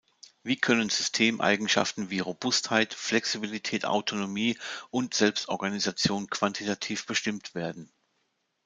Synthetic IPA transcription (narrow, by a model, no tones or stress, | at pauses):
viːkʰœnənzʏstʰeːmʔa̰ɪɡŋ̩ʃa̰ftn̩viːʁobʊsthaɪtflɛksibilitʰɛːta̰ʊtʰonomiːʔʊntz̥ɛlpstʔɔɐɡanizat͡sjoːnkv̥antʰitʰatʰiːfb̥əʃtɪmtv̥eːɐdn̩